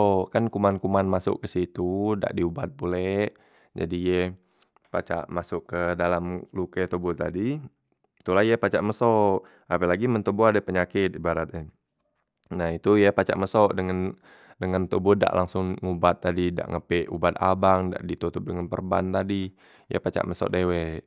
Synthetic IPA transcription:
ʔkankumankumanmasʊ̰ʔkːəsit̪uda̰ʔdiubat̪̚bulɛʔ | d͡ʒa̰dijə | pat͡ʃa̰ʔmasʊʔkədalamlukət̪ubʊt̪adi | t̪ulahjəpat͡ʃaʔməsɔʔ | apəlaɡimənt̪ubuadəpəɲakɪt̪̚ibaɾat̪̚ə | nait̪ujəpat͡ʃa̰ʔməsɔʔdəŋan | dəŋant̪ubʊda̰ʔlaŋsʊŋŋubat̪̚ːadida̰ʔŋəpɛʔubat̪̚abaŋda̰ʔdit̪ut̪ʊp̚dəŋanpə̰rbant̪adi | jə̰pat͡ʃa̰ʔməsɔ̰ʔdewɛʔ

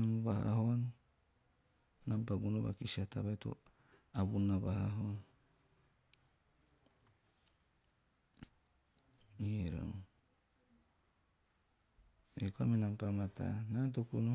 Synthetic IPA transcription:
muβaha̰hon | nampaɡunoβa̰kisiata̰βajto̰ | abunaβahaɦon | iɾo̰ | ḛkoamenampamatʰa̰nat̬okuno

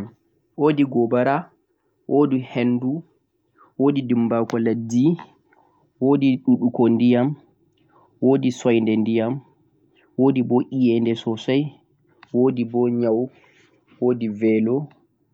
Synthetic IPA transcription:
ʔoːdiɡɔbaɾa | wʔoːdihendu | woːdidimbakɔladːi | wodiɗuɗukɔndijam | woːdisɔjndɛndijam | woːdibɔʔijɛndɛsɔsaj | wodibɔɲaw | woːdivɛlɔ

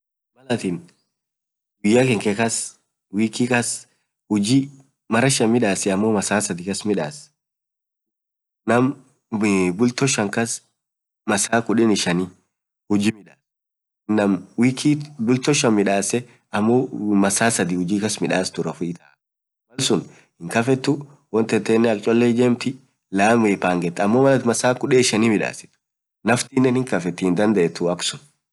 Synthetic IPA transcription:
mɐlɐt̪in | wɪjːakɛŋkɛkɐs | wiːkːikɐs | hʊd͡ʒi | mɐɾɐʃɐmɪᶑaːsɛɐmːoːmɐsaːsɐd̪ɪkɐsmɪᶑaːs | nɐm | bʊlt̪ɔʃɐŋkɐs | mɐsaːkʊᶑɛnɪʃɐni | hʊd͡ʒimɪᶑaːs | nːɐmwiːkʰiːbʊlt̪ɔʃɐnmɪᶑaːsɛ | ɐmːomɐsaːsɐd̪iːhʊd͡ʒiːkɐsmɪᶑaːst̪ʊɾɐfʊɪt̪ɐ | mɐlsʊn | hɪŋkɐfɛt̪ːʊ | wɔnt̪ɛt̪ːeːnːɛɐk̚ʼt͡ʃʼɔlːed͡ʒeːmt̪ɪ | laːmeːpaːŋɡɛt̪ːɐmːoːmɐlɐt̪mɐsaːkʊᶑɛːɪʃɐniːmɪᶑa̰ːsɪ̥t̪ʊ̥ | nɐft̪iːnːɛnhɪŋkɐfɛt̪ːɪhɪnd̪ɐnd̪ɐʔɛt̪ːʊɐksʊn

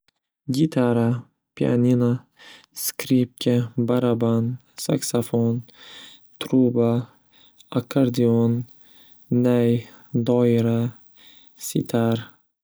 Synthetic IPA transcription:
ɡʲit̪ʰaɾa | pʰia̰nʲina | skɾip̚kʲʰabaɾaban | saksafon | t̪ʰɾuba | akʰːaɾd̪ionː | aj | d̪ɒɪɾa | sḭt̪ʰaɾ

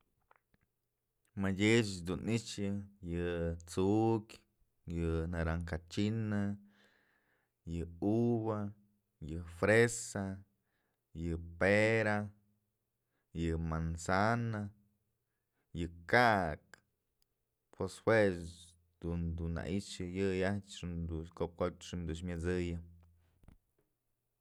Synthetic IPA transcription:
majet͡ʃd̪unit͡ʃɨjɨt͡sukʲ | jɨnaɾaŋkat͡ʃinɨ | jɨuβa | jɨfɾesa | jɨpeɾa | jɨmansana | jɨkaʔk | pʰweshwe | d̪und̪unːa̰ʔit͡ʃɨjɨjat͡ʃʂɨnd̪ukop̚kot͡ʃʂɨnd̪uʃmʲɨt͡sɨjɨ

